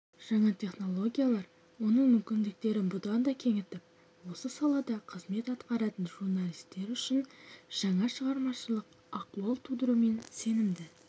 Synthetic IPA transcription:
ʒ̥ɑɴɑt̪ʲʰe̞χno̞lˠo̞ɡʲijalˠɑɾ | wo̞nəɴmʏmkʲɪnd̪ɪk̚t̪e̞ɾɪnbʊd̪ɑnd̪ɑkʲʰe̞ŋɪt̪ɪp̚ | wo̞səsɑlˠɑd̪ɑqʰəzme̞t̪ɑt̪qɑɾɑt̪ənʒuɾnɑlˠijst̪e̞ɾʏʃɪnʒ̥ɑɴɑʃəʁɑɾmɑʃəlˠəq | ɑqt̪uɑlˠt̪ʰud̪əɾume̞nse̞nɪmd̪ɪ

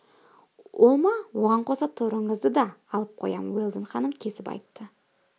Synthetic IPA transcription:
olˠmɑwo̞ʁɑɴqʰo̞sɑt̪ʰʊɾəɴəzd̪əd̪ɑːlˠəp̚qʰojɑ̰mwelˠd̪əɴχɑnəmkʲʰe̞sɪpɑ̰jt̪ːə

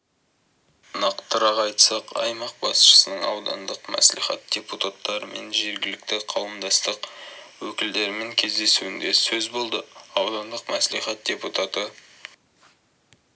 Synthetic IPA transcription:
nɑqt̪ːəɾɑʁɑjt̪sɑqɑ̰jmɑq̚bɑsʃə̥sənəɴɑ̰wd̪ɑ̰nd̪əqmæ̰slḭχɑ̰t̪̚d̪̥ʲeput̪at̪ːɑɾəme̞̰nʒe̞ɾɡʲɪlɪk̚t̪ɪqʰɑwəmd̪ɑst̪əqwɵkʲɪld̪e̞ɾɪmeŋkʲʰe̞zd̪e̞suɪnd̪e̞sɵzbo̞lˠd̪əɑwd̪ɑnd̪əqmæsliχɑt̪̚d̥ʲe̞put̪at̪ə

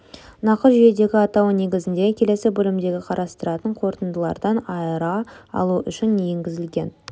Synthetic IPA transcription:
nɑqəɾʒijed̪e̞ɡʲɪɑt̪ɑwne̞ɡʲɪzɪnd̪e̞kʲʰe̞le̞sɪbɵlɪmd̪e̞ɡʲɪqʰɑɾɑst̪əɾɑt̪əɴqʰo̞ɾt̪ənd̪əlˠɑ̰ɾd̪ɑnɑjəɾɑɑ̰lˠuʔʏʃɪnːejeŋɡʲɪzɪlɡʲe̞n

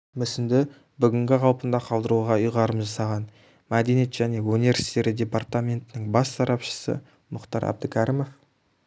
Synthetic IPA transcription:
mʏsɪnd̪ɪ | bʏɡʲɪŋɡʲɪqʰɑlˠpənd̪ɑqʰɑlˠd̪əɾuʁɑʊjʁɑɾəmʒɑsɑʁɑn | mæd̪e̞nijet̪ʒ̥æne̞wɵnive̞ɾsi̥t̪e̞ɾɪd̪ʲe̞part̪amʲe̞nt̪ɪnɪŋbɑsːɑɾʔɑpʃə̥sə̰ | mʊqt̪ɑɾɑ̰b̚d̪əkʲʰæɾimof

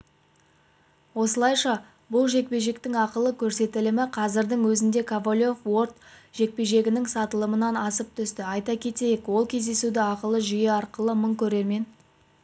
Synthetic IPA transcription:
wo̞səlˠɑjʃɑ | bʊlˠʒe̞k̚pe̞ʒe̞k̚t̪ɪŋɑqəlˠəkʲʰɵɾse̞t̪ɪlɪmɪqʰɑzɪɾd̪əŋwɵzɪnd̪e̞kʰavolʲofwo̞rt̪ʒ̥e̞k̚pe̞ʒe̞ɡʲɪnɪŋsɑt̪əlˠəmənɑnɑsəp̚t̪ʰʏst̪ɪɑjt̪ɑkʲʰe̞t̪e̞jekwo̞lˠkʲʰe̞zd̪e̞sud̪ɪɑqəlˠəʒʏjeɑɾqəlˠəməɴkʲʰɵɾe̞ɾme̞n

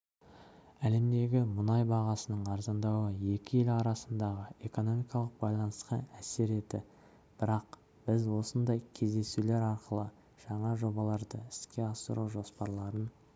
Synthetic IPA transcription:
æle̞md̪e̞ɡʲɪmʊnɑjbɑʁɑsənəɴɑɾzɑnd̪ɑwəje̞kʲɪje̞lɑɾɑsənd̪ɑʁəe̞ko̞no̞mijkɑlˠəq̚bɑjlˠɑnəsqɑæse̞ɾed̪ɪ | b̥ɪɾɑq | b̥ɪzwo̞sənd̪ɑjkʲʰe̞zd̪e̞sule̞ɾɑɾqəlˠə | ʒ̥ɑɴɑʒo̞bɑlˠɑɾd̪ə̰ɪskʲe̞ɑsə̰ɾuwʒo̞spɑɾlˠɑɾən

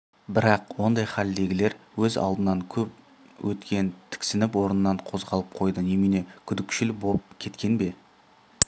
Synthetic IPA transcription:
bɪɾɑqwo̞nd̪ɑjχɑld̪e̞ɡʲɪle̞ɾwɵzɑ̰lˠd̪ənɑŋkʲʰɵp | wʔɵt̪kʲe̞nt̪ʰɪ̥kʲsɪnɪpwo̞ɾənənːɑɴqʰo̞zʁɑlˠəp̚qʰo̞jd̪ənemine̞kʲʰʏd̪ɪkʃɪlboləp̚kʲʰe̞t̪kʲe̞nbe̞

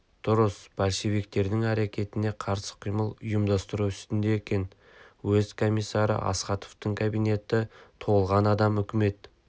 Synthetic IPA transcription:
d̪̥ʊɾəsbælʃe̞βik̚t̪e̞ɾd̪ɪŋæɾekʲʰe̞t̪ɪne̞qʰɑɾsə̥qʰijməlˠʊjəmd̪ɑst̪əɾuʏst̪ɪnd̪e̞ekʲe̞n | wɵzkʰo̞mijsːɑɾə̰ʔɑ̰sqɑt̪oft̪əɴkʰabijne̞t̪ɪt̪ʰo̞əlˠʁɑnɑd̪ɑmʏkʲɪme̞t̪̚

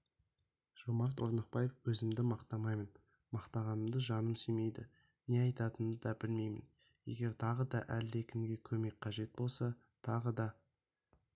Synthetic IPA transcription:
ʒ̥omɑɾt̪oɾnəq̚pɑje̞fwɵzɪmd̪ɪmɑqt̪ɑmɑjmən | mɑqt̪ɑʁɑnəmd̪əʒɑnəmsʏme̞jd̪ɪ | neɑjt̪ɑt̪ənd̪əd̪ɑbɪlme̞jmɪ̰n | je̞̰ɡʲe̞ɾt̪ʰɑʁəd̪ɑʔælekʲʰɪmɡʲe̞kʲʰɵme̞k̚qʰɑʒe̞t̪̚bo̞lˠsɑ | t̪ʰɑʁəd̪ɑ

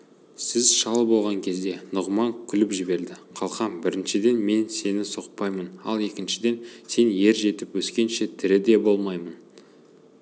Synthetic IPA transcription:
sɪzʃɑlˠəbo̞lˠʁɑŋkʲʰe̞zd̪e̞nʊʁmɑŋkʲʰʏlɪpʒɪbe̞ɾd̪ɪqʰɑlˠqɑmbɪɾɪnʃɪd̪e̞nme̞nse̞nɪsoqpɑjmənɑ̰lˠe̞kʲɪnʃɪd̪e̞nse̞nje̞ɾʒe̞t̪ɪpwɵskʲe̞nʃe̞t̪ʰɪɾɪd̪e̞bo̞lˠmɑjmən

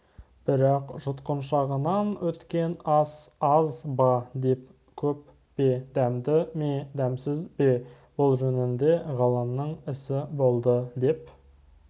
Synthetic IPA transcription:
b̥ɪɾɑqʒʊt̪qənʃɑʁənɑnwɵt̪kʲe̞nɑsɑzbɑd̪e̞p | kʲʰɵp | b̥ed̪æmd̪ɪmed̪æmsɪzbe̞ | bolˠʒɵnɪnd̪e̞ʁɑlˠəmnəɴɪsɪbo̞lˠd̪əd̪e̞p

